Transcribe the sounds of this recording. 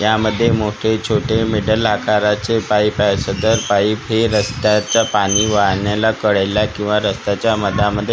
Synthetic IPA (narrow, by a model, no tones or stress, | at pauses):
jaməd̪ʱːjemoʈʰet͡ɕʰoʈemeɽəlakʰaɾat͡sepaipasəd̪əɾpaipʰeɾəst̪at͡sapaɽ̃iʋaɭɳjalakəɭajlakĩw̃ʋaɾəst̪at͡ɕjaməd̪aməd̪ʱːje